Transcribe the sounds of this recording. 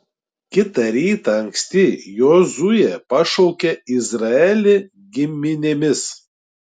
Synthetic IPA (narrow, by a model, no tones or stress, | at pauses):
kʲɪt̪ɐɾʲiːt̪ɐɐŋʲksʲt̪ʲɪjoːzʊjɛpɐʃɔʊkʲɛɪzɾɐɛlʲɪ | ɡʲɪmʲɪnʲemʲɪs